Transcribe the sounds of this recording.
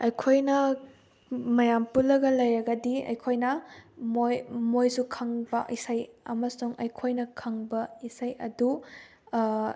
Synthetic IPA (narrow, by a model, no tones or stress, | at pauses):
ɐjkʰojnɐ | mɐjampulːɐɡɐlɐjɾɐɡɐdiɐ̰jkʰojnɐmojmojsukʰɐŋbɐʔisɐjɐ̰mɐsuŋʔɐjkʰojnɐkʰɐŋbɐisɐjɐ̰du